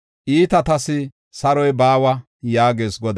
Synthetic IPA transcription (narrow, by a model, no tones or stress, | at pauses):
ʔiːt̪ɐt̪ɐsɪ | sɐɾɔjbaːwɐ | jaːɡe̞ːsɡɔd̪